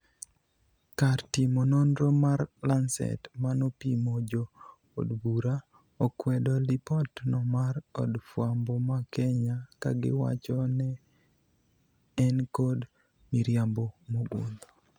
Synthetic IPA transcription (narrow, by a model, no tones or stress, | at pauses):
kartimonondɾomarlansɛ̰tmanopimod͡ʒo | o̰dbuɾa | okwɛdɔlipɔtnɔmaɾɔ̰dfwambɔmakɛɲaka̰ɡɪ̰wa̰t͡ʃɔnɛ | nkod | miɾjambomoɡo̰nd̪o